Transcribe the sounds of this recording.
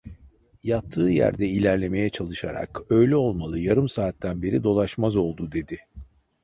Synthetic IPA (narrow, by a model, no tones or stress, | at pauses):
jat̪ʰːɯːjæ̰ɾd̪ɛilʲæɾlʲe̞me̞jɛt͡ʃʰalˠɯʃaɾa̰kø̞jlʲɛo̞lˠmalˠɯjaɾɯmsaːt̪ːænbe̞ɾid̪o̞lˠaʃmazo̞lˠd̪ud̪e̞d̪ɪ